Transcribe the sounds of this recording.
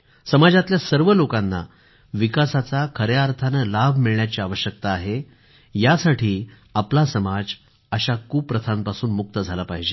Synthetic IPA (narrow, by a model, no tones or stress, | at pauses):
səmad͡ʑat̪ljasəɾʋəlokanːa̰ | ʋikasat͡sakʰəɾjaɾt̪ʰanəlabʱmiɭɳjat͡ɕiːaʋəɕjək̚t̪aːɦe | jasaʈʰiː | aplasəmad͡z | əɕakuːpːɾət̪ʰanpasuːnmuk̚t̪əd͡zʱalapaɦid͡ʑe